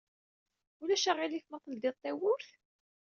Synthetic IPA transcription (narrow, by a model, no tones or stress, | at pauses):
ulæʃaʁiliθmɑt̪ˤːəld̪it̪ˤːæwʊɾθ